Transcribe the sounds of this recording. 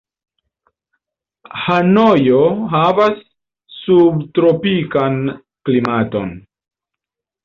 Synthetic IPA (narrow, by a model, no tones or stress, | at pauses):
hanojoɦavasː | ubtɾopikan | klimato̞̰n